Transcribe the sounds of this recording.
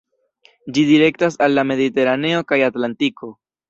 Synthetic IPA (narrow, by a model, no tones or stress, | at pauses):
d͡ʒidiɾe̞ktasalːame̞dite̞ɾane̞o̞kajatlantikʰo̞